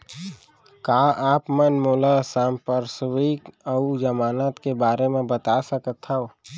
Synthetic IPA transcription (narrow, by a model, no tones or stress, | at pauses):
kaːaːpmənmoːlasaːmpəɾswikəud͡ʒəmaːnaːt̪kebaːɾemẽbət̪asəkət̪ɦəw